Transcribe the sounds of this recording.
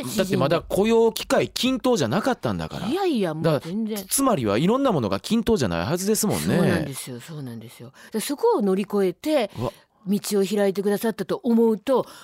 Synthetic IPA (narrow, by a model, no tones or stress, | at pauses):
d̪atːemad̪akʰo̞jo̞ːkʲi̥kaikʲʰĩnt̪o̞ːʑanakat̪ːã̰nd̪a̰ka̰ɾa̰iaijamod̪aẽnd͡zẽt͡sɨmaɾʲiβa̰iɾõ̞nːamo̞no̞ɡa̰kʲĩnt̪o̞ːʑana̰iɦazɨd̪e̞sɨmõ̞̰nːeãd̪e̞sɨjo̞so̞ːnãnd̪e̞sɨjo̞d̪̥aso̞ko̞ːno̞ɾʲiko̞e̞t̪e̞ | mʲit͡ɕio̞çiɾait̪̬e̞k̬ɯ̟d̪asat̪ːat̪o̞ʔomo̞ɯ̟t̪o̞